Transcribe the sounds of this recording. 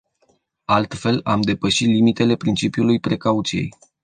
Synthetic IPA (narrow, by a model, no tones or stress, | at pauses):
alt̪fe̞lamd̪e̞pəʃit̪limit̪e̞le̞pɾint͡ʃipjulujpɾe̞kaut̪sije̞̰j